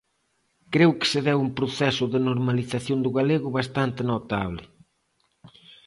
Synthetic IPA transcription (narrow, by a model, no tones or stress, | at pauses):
kɾewkɪ̥sɪðɛwumpɾoθɛsʊðɪnoɾmaliθaθjond̪ʊɣaleɣʊβast̪ant̪ɪnot̪a̰βlɪ